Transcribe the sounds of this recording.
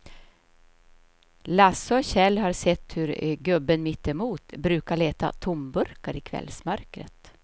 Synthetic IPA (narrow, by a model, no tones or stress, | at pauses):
lasɔɔɕɛlːɦaɾsɛt̪ːhɵɾɡɵbːənmɪt̪ːɛmuːt̪bɾʉ̟ːkaɭeːt̪a̰t̪ʰʊmbɵɾkaɾɪkʰvɛ̰lsmœɾkɾə̰t̪